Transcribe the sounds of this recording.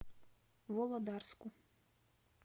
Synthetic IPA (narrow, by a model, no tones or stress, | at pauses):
vɔlˠɐd̪arsku